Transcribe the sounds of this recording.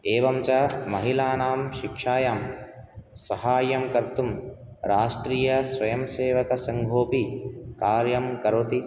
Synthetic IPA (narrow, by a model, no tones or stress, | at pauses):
eːʋɐmt͡ʃɐmɐɦilaːnaːmʃikʂaːjaːm | sɐɦaːjɐmkɐɾt̪um | ɾaːʂʈɾiːjɐsʋɐjɐmseːʋɐkɐsɐŋɡʱoːpikaːɾjɐmkɐɾot̪i